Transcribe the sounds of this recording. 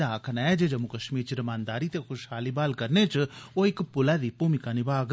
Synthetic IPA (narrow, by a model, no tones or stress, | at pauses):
aːkʰnaɛd͡ʒeːd͡ʒəmũkəʃmiːɾt͡ʃɾəmãːnd̪aːɾit̪eːxʰʊʃhaːliːbaːlkəɾneːt͡ʃoːɪkpʊlaːd̪iːpuːmɪkanɪbaːɡ